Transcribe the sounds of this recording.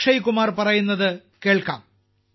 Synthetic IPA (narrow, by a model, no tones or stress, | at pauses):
ʂɐjikumaːrpɐrɐjunːɐðɨkeːɭkɐːm